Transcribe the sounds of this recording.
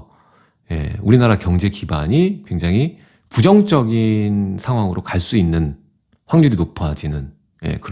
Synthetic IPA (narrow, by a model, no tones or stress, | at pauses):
je̞̰uɾinaɾakjʌŋd͡ʑe̞kibaɲikwe̞ŋd͡ʑaŋɦi | pud͡ʑʌŋt͡ɕ͈ʌɡinsʰaŋɦwaŋɯɾokaɭs͈uinːɯn | ɸwaŋɲuɾinopʰad͡ʑinɯn | je̞̰kɯ